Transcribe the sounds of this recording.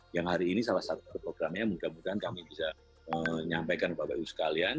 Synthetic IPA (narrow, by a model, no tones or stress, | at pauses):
jaŋhaɾiːnisalahsat̪ukəpɾoɡɾamɲamudamudaɦankamibisa | əɲampajkanupaba̰usə̥kalian